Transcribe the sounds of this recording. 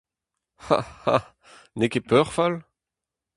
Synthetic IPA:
ha̰ha̰ | nekepœʁfal

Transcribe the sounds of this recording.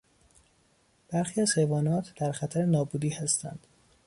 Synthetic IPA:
b̥æɾxiːæzhe̞jvɒːnɒːt̪ʰd̪̥æɾxæt̪ʰæɾenɒːbuːd̪iːhæst̪æ̰nd̪̥

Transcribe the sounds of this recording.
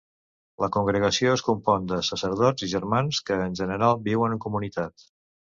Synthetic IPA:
ləkuŋɡɾəɣəsioəskumpɔnd̪əsəsəɾð̞ɔziʒəɾmanskəːnʲʒənəɾalˠbiwənəŋkumunit̪at̪

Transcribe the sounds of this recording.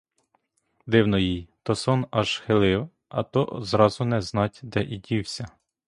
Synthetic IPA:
d̪ɪwnɔjijt̪ɔsɔnɑʒ̥xelˠɪw | ɐ̰t̪ɔzɾɑzʊnɛznɑtʲd̪ɛʔidʲiwsʲɐ

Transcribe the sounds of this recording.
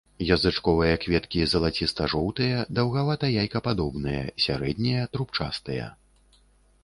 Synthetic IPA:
jɐzɨt͡ʂkɔvɨjɐkvʲɛt̪kʲizɐlˠat͡sʲist̪ɐʐɔwt̪ɨjɐd̪ɐwɣavat̪ɐjajkɐpad̪ɔbnɨjɐ̰sʲa̰ɾɛd̪ʲnʲijɐt̪ɾupt͡ʂast̪ɨjɐ̰

